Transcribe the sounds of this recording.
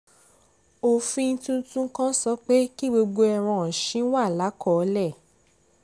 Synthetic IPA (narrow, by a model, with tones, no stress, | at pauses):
o˧fĩ˧n̩˦tũ˦tũ˦kã˦sɔ˦k͡pe˦ki˦ɡ͡bo˧ɡ͡bo˧ɛ˧ɾ̃ã˧ɔ̃˨ʃĩ˨˦wa˦˨la˨˦kɔ˦˨˧lɛ˦˨